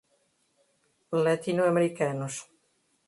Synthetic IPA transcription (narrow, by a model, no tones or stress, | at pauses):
lat̪inoameɾikanos